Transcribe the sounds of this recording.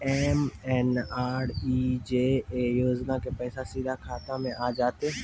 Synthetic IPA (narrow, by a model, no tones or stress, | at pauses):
ɛːmɛːnaːɾid͡ʒeːejoːd͡ʒnakepɛːsasiːd̪ʱakʰaːt̪ãmẽʔaːd͡ʒaːt̪e